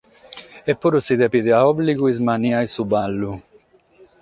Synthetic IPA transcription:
epːuɾusid̪epid̪eaɔbliɡuizmaniajsubalːu

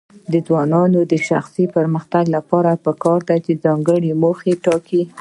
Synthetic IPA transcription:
d̪əd͡zwɑnɑnod̪əʃaxsipəɾməxt̪aɡlapɑɾapəkɑɾd̪at͡ʃed͡zɑŋɡəɽemoxeʈɑki

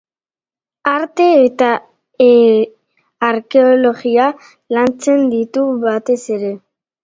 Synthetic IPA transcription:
aɾt̪e̞ːt̪a | ɾke̞olo̞ɣia | lant͡se̞nd̪it̪uβat̪e̞se̞ɾe̞

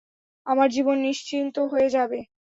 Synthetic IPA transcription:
amaɾd͡ʑibonːiʃt͡ɕint̪oɦoed͡ʑabe

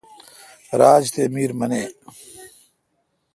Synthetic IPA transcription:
ɾaːd͡ʑt̪emiːɾmɐneː

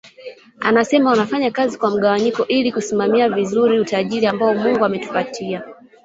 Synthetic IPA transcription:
a̰nasɛmaunafaɲakazikwam̩ɠawaɲikɔʔilikusimamiavizuɾiutaʄiɾiambaɔmuŋɡuamɛtu̥patʰia

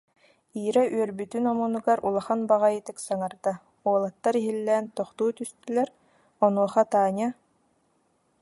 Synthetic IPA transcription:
iːɾɛʔyœɾbyt̪ynɔmunuɡaɾʔulˠaχanbaʁajit̪ɯksaŋaɾd̪a | uɔlˠat̪ːaɾiɦilːɛːnt̪ɔχt̪uːt̪yst̪ylɛɾ | ɔnuɔχat̪aːɲa

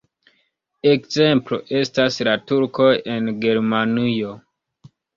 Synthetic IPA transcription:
e̞kze̞mplo̰ʔe̞staslatuɾko̞je̞nɡe̞ɾmanijo̞

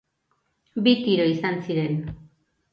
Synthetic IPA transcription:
bit̪iɾoisansiɾe̞n

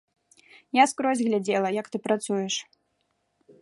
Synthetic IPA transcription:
jaskɾɔzʲɣlʲad͡zʲɛlˠɐjɐkt̪ɨpɾat̪sujɛʂ

